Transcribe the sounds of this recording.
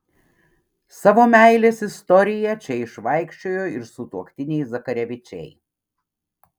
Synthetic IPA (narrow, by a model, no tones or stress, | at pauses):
sɑːʋoːmʲæɪlʲeːsɪst̪ɔɾʲɪjɛt͡ʃʲɛɪʃʋɐɪkʃʲt͡ʃʲoːjoːɪɾsʊt̪uɔkt̪ʲɪnʲɛɪzɐkɐɾʲɛʋʲɪt͡ʃʲɛ̰ɪ